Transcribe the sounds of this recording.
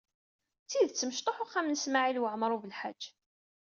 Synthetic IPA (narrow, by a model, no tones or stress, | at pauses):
t͡sːiðt͡sːəməʃt̪ˤoħʊχamnəsmaʕilwəʕmɾˤuvəlħa̰d͡ʒː